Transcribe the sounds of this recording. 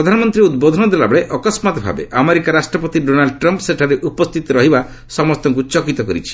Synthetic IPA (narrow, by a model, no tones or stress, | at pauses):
ɾɔd̪ʱanɔmɔnt̪ɾiud̪̚bod̪ʱɔnɔd̪ela̰bɔɭeʔɔkɔsmat̪bʱa̰bḛʔameɾikaɾasʈɾɔpɔt̪iɖonalɖʈɾɔmpseʈʰaɾeʔupɔst̪ʰit̪ɔɾɔɦiba | sɔmɔst̪ɔŋk̬ut͡ʃɔkit̪ɔkɔɾit͡ʃʰi̥